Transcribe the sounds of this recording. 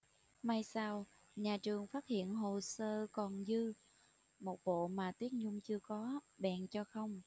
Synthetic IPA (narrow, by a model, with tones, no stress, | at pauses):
maː˧jsaː˧w | ɲaː˨˩t͡ɕɨ˨˩əŋfaː˦˥t̚hḭ˧˨ənɦo˨˩səː˧kɔ˨˩nzɨ˧ | mo˨˩t̚ɓo̰˧˨maː˨˩t̪wi˦˥ət̚ɲʊ˧ŋ͡mt͡ɕɨ˧əkɔ˨˦ɓɛ̰ː˧˨nt͡ɕɔ˧xə˧wŋ͡m